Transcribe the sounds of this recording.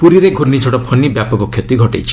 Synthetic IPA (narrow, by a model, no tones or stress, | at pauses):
puɾiɾeɡʱuɾnid͡ʒʱɔɽɔpʰɔnibjapɔkɔkʰjɔt̪iɡʱɔʈejt͡ʃʰi̥